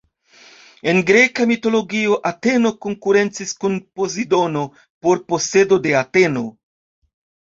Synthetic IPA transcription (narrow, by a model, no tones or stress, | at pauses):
e̞nɡɾe̞kamito̞lo̞ɡio̞ʔate̞no̞ko̞ŋkuɾe̞nt͡siskunpo̞zido̞no̞ | po̞ɾpo̞se̞do̞de̞ate̞no̞